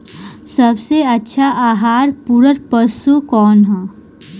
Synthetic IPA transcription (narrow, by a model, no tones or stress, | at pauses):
sɐbseɐtːʃʰaʔaːɦaːɾpuɾəɾpəsukɔːnɦɛː